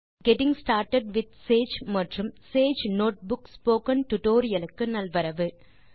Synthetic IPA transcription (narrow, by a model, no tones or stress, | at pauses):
ɡɛʈɪŋsʈaːɾʈɐɖʋɪd̪̚seːd͡ʒmɐʈrɯmseːd͡ʒnoːʈ̚bʊkspoːkɐnʈʊʈoːɾɪjɐlɯkːɯnɐlʋɐɾɐʋɯ